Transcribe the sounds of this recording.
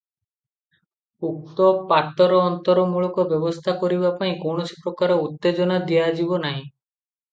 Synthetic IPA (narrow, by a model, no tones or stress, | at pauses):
uk̚t̪opat̪ːɔɾɔɔnt̪ɔɾɔmuɭɔkɔbɔbost̪ʰakoɾibapaĩkownot͡ʃʰi̥pɾokaɾɔut̪ːed͡ʒɔnad̪iad͡ʒibɔnaɦĩ